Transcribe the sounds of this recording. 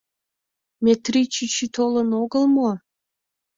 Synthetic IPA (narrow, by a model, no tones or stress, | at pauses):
mʲet̪rit͡ɕit͡ɕit̪olənoɡəlmo